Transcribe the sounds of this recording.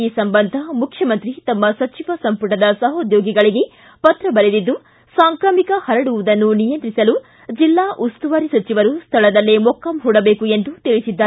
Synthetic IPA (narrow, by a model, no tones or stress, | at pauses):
iːsɐmbɐnd̪ʱɐmukʰjɐmɐnt̪ɾit̪ɐmːɐsɐt͡ʃiʋɐsɐmpuʈɐd̪ɐsɐɦod̪joːɡiɡɐɭiɡe̞ | pɐt̪ɾɐbɐɾed̪id̪ːu | saːŋkɾaːmikɐhɐɾɐɽuʋud̪ɐnːunijɐnt̪ɾisɐlu | d͡ʒilːaːʔust̪uʋaːɾisɐt͡ʃiʋɐɾust̪ʰɐɭɐd̪ɐlːimɔkːɐmɦuːɽɐbe̞ːkuend̪ut̪iɭisid̪ːaː